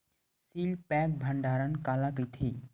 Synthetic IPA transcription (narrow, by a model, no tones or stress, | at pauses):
siːlpɛːk̚bʱəɳɖʱaːɾənkaːlakit̪ʰi